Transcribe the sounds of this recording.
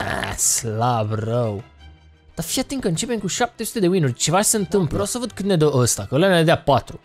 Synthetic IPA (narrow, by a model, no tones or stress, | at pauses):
a̰slabrəw | d̪̥afiajt̪iŋkːəɨnt͡ʃepenkuʃap̚t̪esu̥t̪e̞d̪ewinurʲt͡ʃevat͡ʃe̥seɨnt̪ɨmpleɾowsəvəd̪̚kɨt̪ned̪əəst̪akəleneed̪eapat̪ɾu